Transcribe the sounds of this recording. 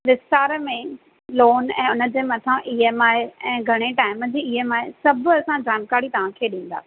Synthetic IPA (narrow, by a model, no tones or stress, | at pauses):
ʋɪst̪aːɾmẽ | loːnɛ̃ːʊnə̆d͡ʑeːmɐt̪ʰãʔiɦemaːɪeɛ̃ːɡʱɐɽ̃eʈaːɪməd͡ʑiːiɦemaːesɐbʱʊɐsãd͡ʑaːmkaːɾit̪ɐʋ̤ãkʰeːɗĩːn̆d̪a̰ː